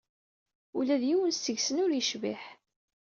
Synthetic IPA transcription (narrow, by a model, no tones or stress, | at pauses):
ulæðjiwənsəʝsənʊɾjəʃviħ